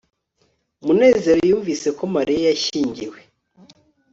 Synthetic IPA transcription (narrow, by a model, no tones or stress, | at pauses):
mune̞ːze̞ɾojuːɱviːse̞ko̞maɾijajaʃiːɲɟiwe